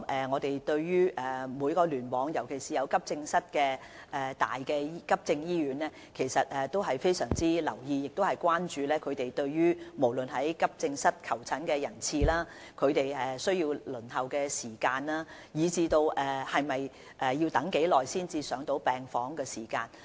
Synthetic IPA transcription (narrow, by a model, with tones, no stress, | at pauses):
mʔɛː˨ŋɔː˨˧t̪e˨jt̪ɵ˧ɥjyː˥ʔɛː˨˩mu˨˧jkɔː˧lyː˨˩nwɔː˨˧ŋjɐ˨˩wkʰe˨˩jsiː˨˩jɐ˨˧wkɐ˥p̚t͡sɪ˧ŋsɐ˥t̚kɛː˧ | ʔɛ˨t̪a̰ː˨jkɛː˧kɐ˥p̚t͡sɪ˧ŋjiː˥jyː˨˥nlɛː˥ | kʰe˨˩jsɐ˨t̚ʔɛ˨t̪o˥wɦɐ˨jfe˥jsœ̰ː˨˩ŋt͡siː˥lɐ̰˨˩wjiː˧jɪ˨k̚t̪o˥whɐ˨jkwaː˥nt͡ʃyː˨˧lɛː˥kʰɵ˨˧t̪e˨jt̪ɵ˧ɥjyː˥mo˨˩wlɵ˨nɦɐ˨˥jkɐ˥p̚t͡sɪ˧ŋsɐ˥t̚kʰɐ˨˩wt͡sʰɐ˨˥nkɛː˧jɐ˨˩nt͡sʰiː˧laː˥ | kʰɵ˨˧ɥt̪e˨jɛː˨˩sɵ˥ɥjiː˧wlɵ˨˩nhɐ˨wkɛː˧siː˨˩kaː˧nlaː˥ | jiː˨˧t͡siː˧t̪o˧wʔɛː˨˩hɐ˨jmɐ˨j | ʔɛ˨jiː˧wt̪ɐ˨˥ŋke˨˥jlɔː˨jsiː˥nt͡siː˧sœː˨˥ŋt̪o˨˥wpɛː˨ŋfɔː˨˥ŋkɛː˧siː˨˩kaː˧n